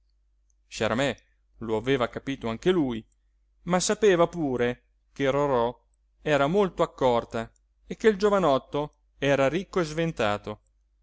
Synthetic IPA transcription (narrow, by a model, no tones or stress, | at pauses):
ʃaɾamɛ | loaveːvakapiːt̪oaŋk̟eluːj | masapeːvapuːɾe | keɾoɾɔ | ɛːɾamolt̪oakːɔrt̪a | ekːeild͡ʒovanɔt̪ːo | ɛːɾaɾikːoezvent̪aːt̪o